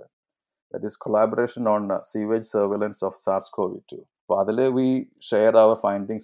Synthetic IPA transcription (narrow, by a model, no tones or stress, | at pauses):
d̪æ̰ʈiskʰɔlæːbɔɾeːʃə̃nɔ̃ːnsiːʋed͡ʒsəːɾʋelə̃nsɔːfsaːɾskʰoːʋḭɖ̚ʈʰṵː | baːd̪əleːʋiːʃeːɾaʊəɾfãɪ̃ɳɖĩŋs